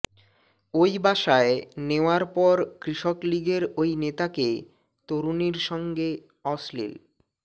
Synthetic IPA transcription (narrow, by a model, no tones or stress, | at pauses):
ojbʱaʃaeneoaɾpɔɾkɾiʃokliɡeɾojnet̪ake | t̪oɾuniɾʃɔŋɡe | ɔslḭl